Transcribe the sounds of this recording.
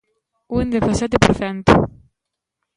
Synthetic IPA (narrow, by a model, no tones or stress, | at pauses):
und̪efasat̪epɾofant̪ṵ